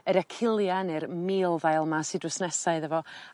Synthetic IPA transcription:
əɾɛkʰɪlˠjanɨrmiːlˠvajlˠmasɨdwɪsnɛsaɨðəvɔ

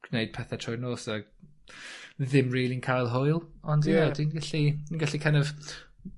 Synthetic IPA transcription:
ɡ̥neɨd̥̚pʰɛθɛtʰɔjnoːsa | ðɪmriːlˠinkʰajlˠɦojlˠɔndjadinɡaɬi̥inɡaɬikʰanɔv

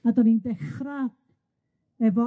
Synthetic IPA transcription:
adɔnindɛχra | ɛvɔ

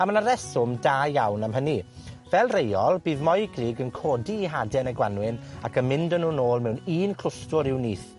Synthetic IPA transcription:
amənaɾɛsʊmdaːjawnamɦəni | vɛlˠrejɔlˠbiːðmɔjɡriːɡənkʰɔːdiːɦadɛnəɡwanwɪnakʰənmɪndənuːnoːlˠmɛwniːnkʰl̥ʊstʊɾɪwniːθ

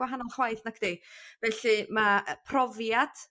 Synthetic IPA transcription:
waɦanɔlˠχwajθnakʰd̥evɛɬɨmapʰrɔvjad̥

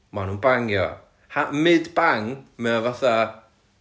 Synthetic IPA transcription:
manuːnbaŋjɔ̰ | hamɨdbaŋmɛɔvaθa

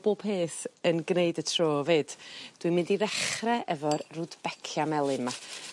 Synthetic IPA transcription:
b̥oːb̥heːθənɡneɨdətʰroːveːd̥d̥wimɪndiɾɛχrɛʔɛvɔrrʊdb̥ɛkʰjamɛlˠɨnma

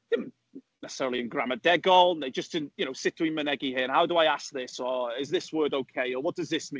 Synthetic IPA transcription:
d̥ɪdⁿn̩ | nɛsɪ̥sɛɹəlˠiə̃nɡɹamədɛɡɔlˠnðeɪd͡ʒəsd̥ɪnjɨnoʊsɪt̚əɪ̃mənɛɡihiːənhawdəaɪask̚ðɪsəɪzðɪswɜːdoʊkʰeɪəwɔt̚d̥ʌzðɪsmĩ

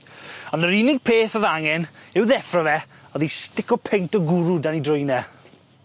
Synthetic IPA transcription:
ɔnəɾinɪɡ̚pʰeːθɔðaŋɛnɪwðɛfrɔvɛ | ɔðistɪkɔpʰɛjntɔɡʊɾudanidrʊjnɛ

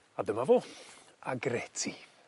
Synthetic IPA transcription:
adəmavoaɡrɛtʰi

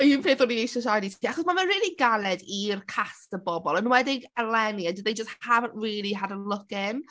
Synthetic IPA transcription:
inpeːðɔniejsɔʃajditʰiːaχɔsmavənriːlˠiɡalɛdirkʰastəbɔbɔlˠənwɛdɪɡəlɛniadədejd͡ʒəsthavənʔriːlˠiɦadəlˠʊkɪn

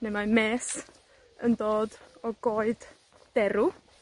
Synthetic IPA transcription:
nemameːs | əndoːdɔɡoːɨd̥ | d̥ɛɾu

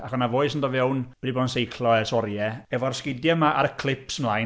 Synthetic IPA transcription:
aχɔnavoɨsəndɔvɛwnb̥ɛdibɔːdnsejkʰlˠɔɛrsɔrjɛɛvɔrskɪdjɛmaʔa̰ɾəkʰl̥ˠɪpsənlˠaj

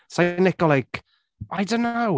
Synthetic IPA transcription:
sanɛɡɔlajk | ʔajdõnːow

